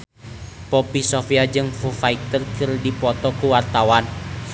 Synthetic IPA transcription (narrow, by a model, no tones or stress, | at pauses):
pɔpisɔfiad͡ʒɨŋfufaik̚t̪ərkɨrdipɔt̪ɔkuwart̪awan